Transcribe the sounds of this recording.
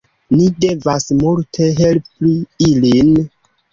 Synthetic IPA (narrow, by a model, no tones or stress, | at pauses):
nide̞vasmultʰe̞ɦe̞lpiilin